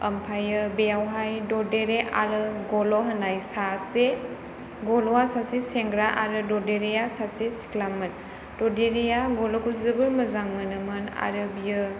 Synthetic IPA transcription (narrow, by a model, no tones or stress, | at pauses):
əmpʰajɯbejawɦajdɔdeɾeaɾɯɡɔlɔɦənajsase | ɡɔlɔasaseseŋɡɾaʔaɾɯdɔdeɾejasasesi̥klamɯn | dɔdeɾejaɡɔlɔkuzɯbɯɾməzaŋmɯnɯmɯna̰ɾɯbijɯ